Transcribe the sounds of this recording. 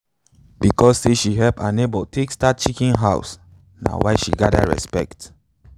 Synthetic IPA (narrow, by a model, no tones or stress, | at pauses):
bikɔsːeʃiɦɛpanebɔtʰekstat̚t͡ʃikĩnɦaʊs | na̰waɪʃḭɡada̰ɹɛ̰spɛ̰kt